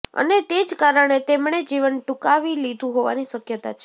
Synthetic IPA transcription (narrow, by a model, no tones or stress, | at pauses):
ə̰net̪ed͡ʒkaɾəɳ̃et̪emɳed͡ʒiʋənʈukaʋilid̪ʱũɦoʋaniʃəkjət̪a̰t͡ʃʰe̥